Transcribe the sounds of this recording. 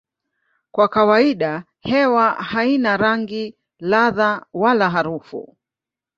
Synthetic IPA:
kwakawaiɗa | hɛwahainaɾaŋɡi | laðawalaɦaɾufṵ

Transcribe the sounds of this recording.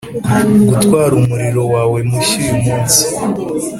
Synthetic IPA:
ɡutwaːɾumuɾiɾo̞waːwe̞miʃujumuːnsi̥

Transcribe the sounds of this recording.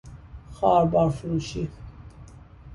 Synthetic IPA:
χaːɾbaɾfluʃi

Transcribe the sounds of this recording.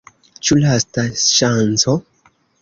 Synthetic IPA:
t͡ʃulastaʃant͡so̞

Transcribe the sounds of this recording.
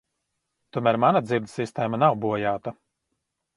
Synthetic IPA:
t̪uɔmæːɾmanad̪zʲiɾd̪sist̪ɛːmanawbuɔjaːt̪a

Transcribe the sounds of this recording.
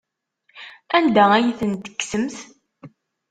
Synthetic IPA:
ænd̪ææjθənt̪ə̥kːsəmθ

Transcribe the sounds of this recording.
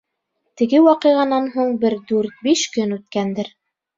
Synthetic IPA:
t̪ɘ̆ɡɘwɑqɤ̆jʁɑnɑnɦuɴbɘɾd̪ʉɾt̪̚biʃkɵnʉt̪̚kænd̪ɘɾ

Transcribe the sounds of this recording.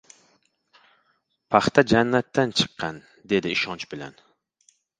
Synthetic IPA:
pʰɑχt̪ʰɛd͡ʒɛnːɛt̪ʰːɛnt͡ʃʰɨ̥qʰːɑn | d̪ed̪ɪiʃɑnt͡ʃbɪlɛ̰n

